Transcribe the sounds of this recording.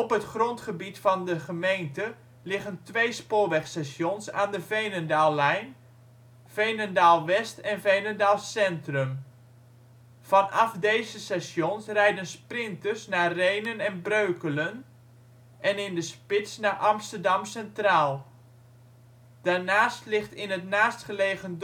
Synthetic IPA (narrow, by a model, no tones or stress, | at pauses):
ɔpɦətχrɔntχəbitfɑndəχəmejntə | lɪχəntʋejspʊːɹʋɛχsɛsjɔnsaːndəvejnəndaːlˠɛjn | v̥ejnəndaːlˠʋɛstɛnvejnəndaːlˠsɛntrəm | v̥ɑnɑfdejzəsɛsjɔnsrɛjdənsprɪntərsnaːrejnənɛnbrøɥkələn | ʔɛnɪndəspɪtsnaːʔɑmstərdɑmsɛntraːlˠ | d̥aːɹnaːstlɪχtɪnətnaːstχəleːɣənd